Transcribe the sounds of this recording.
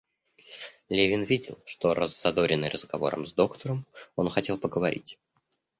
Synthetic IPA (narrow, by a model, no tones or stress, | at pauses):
lʲevʲɪnvʲidʲɪlˠʂt̪o̞rʔə̰zːɐd̪o̞ɾʲɪnːɨ̰jrəzɡɐvo̞̰ɾə̰mzd̪o̞kt̪əɾəmo̞nxɐtʲe̞lˠpəɡəvɐɾʲḭtʲ